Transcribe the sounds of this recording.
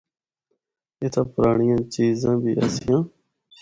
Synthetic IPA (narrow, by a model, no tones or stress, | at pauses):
ɪt̪ʰãːpəɾaːɳɪjãːt͡ʃiːzãːbʱiːʔə̰sɪjãː